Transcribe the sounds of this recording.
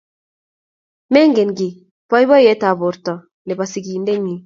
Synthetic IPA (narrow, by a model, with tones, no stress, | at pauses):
mɛ˦ŋɡe˨nɡɪ˨ | pɔ˦jbɔ˦jɛ˦ta˨βʊ˨ɾtɔ˨ | nɛ˨ba˨si˨ɡi˨nde˦ɲi˨